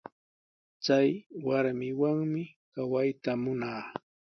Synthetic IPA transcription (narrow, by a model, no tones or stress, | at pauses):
t͡sajwaɾmɪwaŋmɪkawajt̪amʊnaː